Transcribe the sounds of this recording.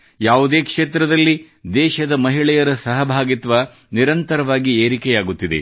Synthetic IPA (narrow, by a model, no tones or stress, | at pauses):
jaːʋud̪e̞ːkʂeːt̪ɾɐd̪ɐlːi | d̪ɛːʃɐd̪ɐmɐɦiɭɛjɐɾɐsɐɦɐbʱaːɡit̪ʋɐ | niɾɐnt̪ɐɾɐʋaːɡieːɾikɛjaːɡut̪ːid̪ḛ